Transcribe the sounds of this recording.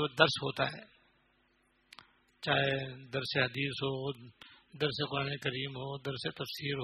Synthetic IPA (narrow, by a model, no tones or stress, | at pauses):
d̪əɾsɦoːt̪aɦɛː | t͡ʃaːɦed̪ɐɾseɦɐd̪iːsɦoː | d̪ɐɾseqʊɾaːnekəɾiːmɦoːd̪ɐɾset̪ɐfsiːɾɦ